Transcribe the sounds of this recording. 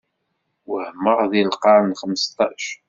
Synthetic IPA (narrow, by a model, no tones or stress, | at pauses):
wəhməʁðilqɑɾnχəməst̪ˤɑʃ